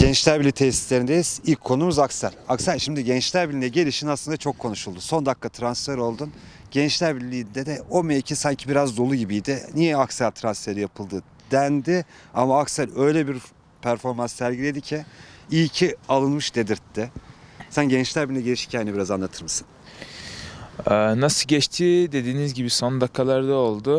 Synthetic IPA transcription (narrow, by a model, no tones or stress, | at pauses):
ɟ̥ɛnt͡ʃlʲæɾbilʲit̪ʰesi̥slʲeɾind̪ejizilʲcʰːo̞numuzaksælʲaksælʲʃimd̪iɟɛnt͡ʃlʲæɾbilʲinɛɟe̞lʲiʃinaslˠɯnd̪at͡ʃʰo̞kʰːo̞nuʃulˠd̪uso̞nd̪akːat̪ʰɾansfeɾo̞lˠd̪un | ɟ̥ɛnt͡ʃlʲæɾbilʲːijind̪ɛd̪ɛo̞mejcʰisaɲcʰibiɾazd̪o̞lˠuɟibijd̪ɪnijɛaksælʲt̪ʰɾansfe̞ɾijapʰɯlˠd̪ɯ | d̪̥ænd̪ɪamaːksælʲø̞jlʲɛbiɾ | pʰæɾfo̞ɾmansːæɾɟilʲe̞d̪icʰiijcʰialˠɯnmɯʃd̪e̞d̪iɾd̪̥ɪsænɟɛnt͡ʃlʲæɾbilʲnʲɛɟeiʃi̥cʲʰainɛbiɾazanlˠat̪ʰɯɾmɯsɯ̥n | ɛːnasɯɟɛt͡ʃt̪ʰid̪e̞d̪iːnizɟibiso̞nd̪akʰːalˠaɾd̪aolˠd̪ʊ